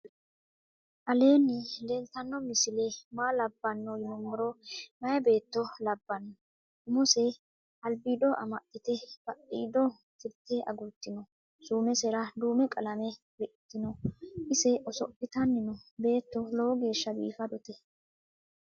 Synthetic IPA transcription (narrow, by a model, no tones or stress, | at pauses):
ʔɐle̞ːnɪlɛlt̪ɐnːɔmɪsɪlɛmaːlɐbːɐnːɔjɪnʊmːʊɾɔmɐjɐbe̞ːt̪ːɔlɐbːɐnːɔ | ʊmʊsɛ | ɐlbid̪ɔʔɐ̰mɐt̪ːɪt̪ɛb̥ɐʔiːd̪ɔ | t̪ɪɾt̪ːɛʔɐ̰ɡʊt̪ːɪnɔ | suːmɛsɛɾɐd̪uːmɛkʼɐlɐmɛ | bɛʔt̪ːɪnɔʔɪsɛʔɔsɔpːɪt̪ɐnːɪnɔbe̞ːt̪ːɔlowɡe̞ːʃːɐbḭːfɐd̪ɔt̪ɛ